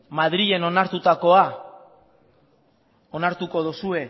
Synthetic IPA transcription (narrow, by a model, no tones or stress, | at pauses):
mað̞ɾie̞no̞naɾt̪ut̪ako̞a | o̞naɾt̪uko̞ð̞usue̞